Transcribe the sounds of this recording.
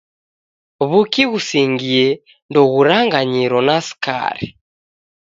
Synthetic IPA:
βukiɣusiŋɡiɛ | ndɔɣuɾaŋɡaɲiɾɔnasi̥ka̰ɾḭ

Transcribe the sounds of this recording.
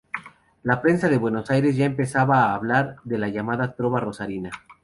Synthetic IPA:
lapɾe̞nsaðe̞βwe̞no̞sajɾe̞zʝae̞mpe̞saβaːβlaɾðe̞laʝamaðat̪ɾo̞βaro̞saɾina

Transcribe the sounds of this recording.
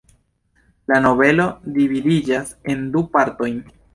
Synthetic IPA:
lano̞βe̞lo̞dividid͡ʒase̞ndupaɾto̞jn

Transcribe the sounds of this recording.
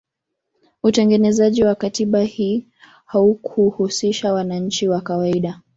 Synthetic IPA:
utɛŋɡɛnɛzaʄiwakatiɓahiː | haukʰuhusiʃawanaɲ̩t͡ʃiwakawaiɗa

